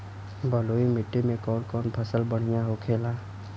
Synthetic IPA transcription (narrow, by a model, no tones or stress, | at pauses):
bəloːimɪʈːimẽkɔːɽkɔːnpʰəsəlbəɽ̤ɪjaɦokʰeːlaː